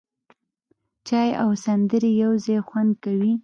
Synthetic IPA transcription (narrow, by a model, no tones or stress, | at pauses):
t͡ʃɑjawsand̪əɾejawzɑjxwand̪̚kawi